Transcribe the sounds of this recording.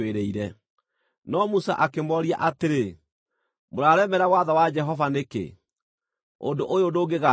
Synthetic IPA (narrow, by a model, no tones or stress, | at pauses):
eɾɛiɾɛ | nɔmusa̰ʔakemɔɾia̰ʔateɾe | moɾaːɾɛmɛɾawaðawad͡ʒɛɦɔvanekḛ | o̰ndoʔojodoːɡeɣa